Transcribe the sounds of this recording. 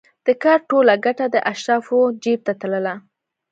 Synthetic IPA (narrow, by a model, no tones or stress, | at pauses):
d̪̥əkɑɾʈolaɡaʈad̪əʔaʃɾɑfod͡ʒeb̚t̪at̪aləla